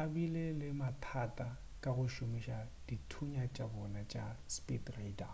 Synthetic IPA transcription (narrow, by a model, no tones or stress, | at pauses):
abilelɪmatʰatʼa | kʼaɣʊʃʊmiʃad̥itʰuɲat͡ʃʼabɔnat͡ʃʼa̰spʼitraida